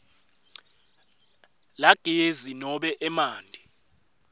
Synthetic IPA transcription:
laɡ̥ʱʼezinɔɓɛʔɛmaːndʱi

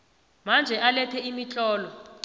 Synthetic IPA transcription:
mand͡ʒʱɛʔalɛtʰɛimit͡ɬʼɔːlɔ

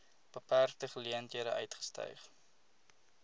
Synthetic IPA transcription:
b̥əpærtəχəliəntiəɾəʔœ̰ɥtχə̥stœ̰jχ

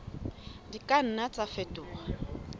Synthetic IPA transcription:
dikʼan̩nat͡sʼafɛtʼʊːχa

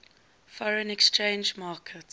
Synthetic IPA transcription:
fɔɹə̃nɛkst͡ʃẽːnd͡ʒmaːkʰət

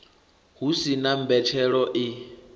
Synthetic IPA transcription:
ɦusinam̩bɛtʰɛɺɔʔi

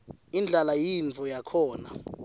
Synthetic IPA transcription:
ind͡ɮʱalajint͡fɔjakʰɔːna

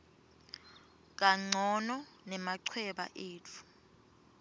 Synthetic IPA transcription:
k̬aŋ͡ǀʱɔnɔnɛmaǀʰwɛɓa̰ʔeːt͡fʰu̥

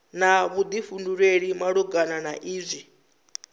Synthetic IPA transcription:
naβud̪ifunduɺeɺimaɺuɡananaʔiːzʷi

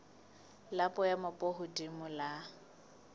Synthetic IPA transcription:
lapʼɔjamʊpʼɔɦʊdimʊla

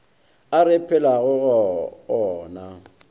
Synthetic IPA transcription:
aɾɪpʰɛlaɣʊɣɔɔːna

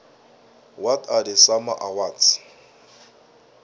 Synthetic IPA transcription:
watʰʼadɪsamaʔawat͡s

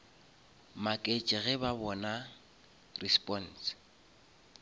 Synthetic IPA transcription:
makʼet͡ʃʼɪɣɛbabɔna | rispʼɔn̩s

